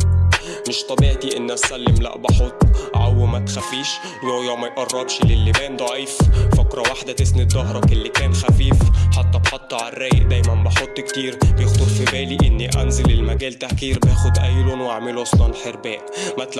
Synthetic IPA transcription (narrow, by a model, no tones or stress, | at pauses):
mɪʃt̪ˤɑbiːʕt̪iʔɪnːæsːælːɪmlæ̰ʔbɑħot̪ˤːʕawːmæt̪xæfːiːʃ | whjːæmæjʔɑrˤːɑɾˤʃlɪlːɪbæːnd̪ˤɑʕiːffakɾˤɑwaħd̪at̪ɪsnɪd̪ːɑɦɾˤɑkɪlːikæːnxafiːfħɑt̪ˤːɑbħɑt̪ˤːʕarːæːjʔd̪æːjmænbɑħot̪ˤːkt̪iːɾbjɪxt̪ˤʊɾfibæːliʔɪnːiʔæ̰nzɪlɪlmæɡæːlt̪ahkiːɾbæːxʊd̪ʔæjlʊnwʔaʕmɪlʔɑsˤlɑlħeɾbæːʔmat̪l